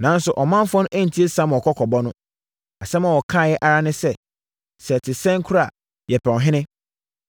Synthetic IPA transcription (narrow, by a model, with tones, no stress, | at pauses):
nã˨n˦sʊ˨ʔɔ˨mã˦m˦fɔ̃˦nʊ̃˦ʔæ̃˦n̩˨tʰi˦e˦sã˦m˨ɔ˨kʰɔ˦kʰɔ˨bɔ˦nʊ̃˦ | a˨sɛ˦mã˨wɔ˨kʰãː˦˨jɛ˦ʔa˨ɾa˦nɪ̃˦sɛ˦ | sɛ˨tʰɪ˨sɛ̃˦ŋ˦kʰʊ˦ɾa˨ | jɛ˨pʰɛ˨wɦɪ̃˦nɪ̃˦